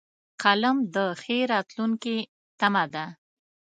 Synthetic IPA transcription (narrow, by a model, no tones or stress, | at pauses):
qʰalamd̪əxeɾɑt̪luŋki | t̪amad̪a